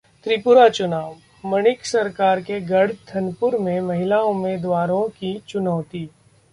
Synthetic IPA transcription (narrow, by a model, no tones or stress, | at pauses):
t̪ɾɪpʊɾat͡ʃʊnaːʋ | mɐnɪksɐɾkaːɾkeɡɐɽ̤t̪ʰɐnpʊɾmẽmɐɦɪlaʊmeːd̪ʋaːɾõkit͡ʃʊnɔːt̪iː